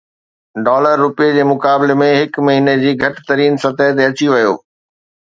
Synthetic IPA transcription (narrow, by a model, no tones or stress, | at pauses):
ɖɔːləɾːʊpijed͡ʑeːmʊkaːbɪlemẽɦɪkmɐɦiːned͡ʑiːɡʱɐʈɪ̥̆t̪ɐɾiːnsɐt̪əɦɪt̪̬eɐt͡ɕiʋɐjo̰ː